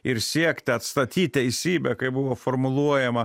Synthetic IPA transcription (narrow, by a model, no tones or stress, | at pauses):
ɪɾsʲiɛkʲt̪ʲɪɐt̪st̪ɐt̪ʲiːt̚ʲt̪ʲɛɪsʲiːbʲɛkɐɪbʊʋoːfoːrmʊlˠuɔjɛmɐ